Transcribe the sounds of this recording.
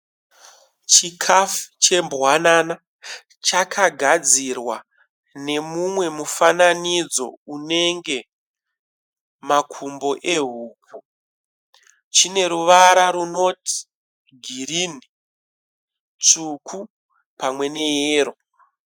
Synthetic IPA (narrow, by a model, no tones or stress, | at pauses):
t͡ʃikʰafu̥t͡ʃe̞mbwanana | t͡ʃakʰaɡʱad͡zirwa | ne̞mumwe̞mufananid͡zo̞̰une̞ŋɡe̞ | makʰumbo̞ʔe̞ɦuːk̚u | t͡ʃine̞ɾuʋaɾaɾuno̞tʰi̥ | ɡʱirini | t͡sukʰu | pamwe̞ne̞jeːɾo̞